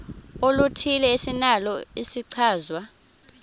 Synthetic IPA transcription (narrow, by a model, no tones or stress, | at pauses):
olutʰilɛisinalɔisiǀʰaːzwa